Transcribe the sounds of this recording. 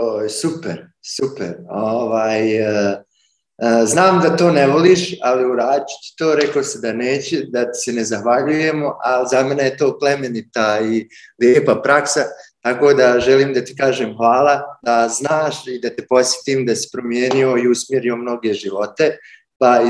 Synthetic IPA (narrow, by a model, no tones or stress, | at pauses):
osupeɾ | supeɾoʋaːj | znaːmd̪at̪o̞ːneʋoliːʃaliuɾaːd̪it͡ɕi̥t̪i̥t̪o̞ːɾe̞kosid̪aneːt͡ɕed̪at̪i̥se̞ne̞zaxʋaʎuje̞moʔalizamene̞jet̪o̞ːple̞me̞nit̪ailjeːpapɾaksat̪ako̞ːd̪aʒeliːmd̪at̪i̥kaːʒeːmxʋaːlˠad̪aznaːʃid̪at̪epo̞sje̥t̪iːmd̪asi̥pɾo̞mje̞ːnio̞iusmje̞ɾio̞mno̞ɡe̞ʒiʋo̞t̪e̞ | pa